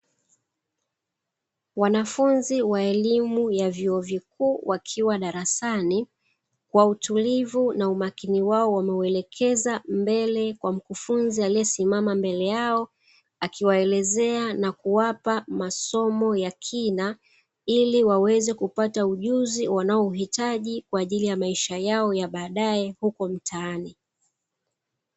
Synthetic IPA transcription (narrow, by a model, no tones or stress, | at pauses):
wanafunziwaɛlimujavjuɔvikuːwʔakʰiwaɗaɾasani | kwautulivunaumakiniwaɔwamɛuɛlɛkʰɛzambɛlɛkwam̩kufunzialijɛsimamambɛlɛjaɔ | akiwaɛlɛzɛanakuwapamasɔmɔjakʰina | iliwawɛzɛkupatauʄuziwanaɔuɦitaʄikwaːʄilijamaiʃajaɔjaɓaːɗaɛhukɔm̩tʰaːni